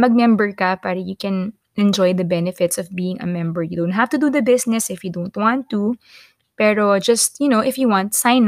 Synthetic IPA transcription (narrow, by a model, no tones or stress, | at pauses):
mɐɡ̚mɛmbəɹkɐpaːɾɐjukɛ̃n | ʔɛ̃nd͡ʒɔjd̪ɐbɛnɛfɪt̪sɔvbiːɪ̃ŋɐ̰mɛ̃mbəɹjɨd̪õʊ̃nt̪̚haft̪ud̪ud̪ɐbɪsnɛsɪfjud̪õʊnt̪̚wɑ̃nt̪ːu | pɛɾod͡ʒɐst̪jʊnowʔɪfjuwɑ̃nt̪sãɪn